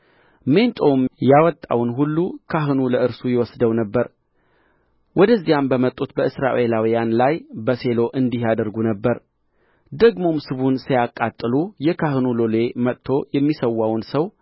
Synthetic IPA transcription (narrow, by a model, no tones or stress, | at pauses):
me̞nt̪ʼomjawɔt̪ʼːa̰wnɦulːukʰaɦɨnuləʔɨɾsujɛwɔsd̪əwnəbːəɾ | wʔɔd̪əzːijambəmət̪ʼːut̪bəɨsɾa̰ʔe̞lawijanlajbəse̞lo̞ʔɨnd̪ihjad̪əɾɡunəbːəɾ | d̪əɡmo̞msɨβunsijakʼːat̪ʼːɨlujɛkʰaɦɨnulole̞mət̪t̪ʰːo̞jɛmːisəwːawnsəw